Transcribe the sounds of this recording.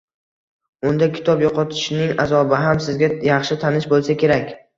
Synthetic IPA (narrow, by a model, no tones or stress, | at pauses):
ʊnd̪akʲʰɪ̥t̪ʰɒpjoqɒt̪ʰɪ̥ʃnɪŋazɒbɪɦamsɪzɡʲajɑχʃɪt̪ʰanɪʃbolˠsakʲʰe̞ɾakʲ